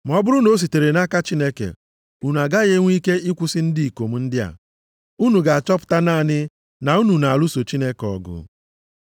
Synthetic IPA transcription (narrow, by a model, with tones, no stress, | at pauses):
m˨ɔ˦bʊ˦ɾʊ˦no˦s̬i˨te˨ɾe˨na˦ka˦t͡ʃi˦ne˦kḛ˨ | u˨nu˨a˨ɡa˦ɣe˦ŋʷ˦i˦ke˦i˦kʷʊ˦sɪ˦n̩˦di˦i˨ko˨m̩˦n̩˦dɪ˦a̰˨ | u˦nu˨ɡa˨a˨t͡ʃɔ˦pʊ̥˦ta˦na˦˨nɪ˦ | na˨u˦nu˨na˨a˨lu˦so˨t͡ʃi˦ne˦kɔ̰˨ɡʊ̰˨